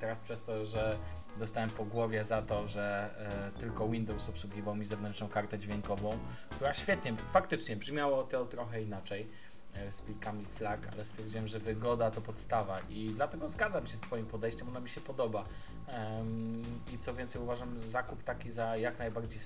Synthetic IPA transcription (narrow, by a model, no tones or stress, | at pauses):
t̪ɛɾaspʂɛst̪ɔʐɛ | d̪ɔst̪awɛmpɔɡwɔvʲjɛzat̪ɔʐɛt̪ɘlkɔwind̪ɔwsɔpswuɡʲivawmʲizɛvnɛntt͡ʂnɔ̃w̃kaɾt̪ɛd͡ʑvʲjɛŋkɔvɔ̃w̃kt̪uɾaɕfʲjɛt̪ɲɛfakt̪ɘt͡ʂɲɛbʐmʲjawɔt̪ɔt̪ɾɔxɛinat͡ʂɛj | skʲilkamʲiflaka̰lɛst̪fʲjɛɾd͡ʑiwɛmʐɛvɘɡɔd̪at̪ɔpɔt̪st̪avaʔid̪lat̪ɛɡɔzɡadzamɕɛst̪fɔjimpɔd̪ɛjɕt͡ɕɛmɔnamʲiɕɛpɔd̪ɔba | it̪sɔvʲɛnt̪sɛjuvaʐamzakupt̪akʲizajaknajbaɾd͡ʑej